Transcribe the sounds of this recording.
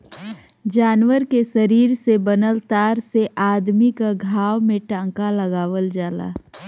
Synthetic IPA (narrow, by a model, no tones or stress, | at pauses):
d͡ʒaːnwəɾkesəɾiːɾsebənəlt̪aːɾseʔaːd̪mikaɡʱaːwmẽʈãːkaləɡaːʋəld͡ʒaːla̰ː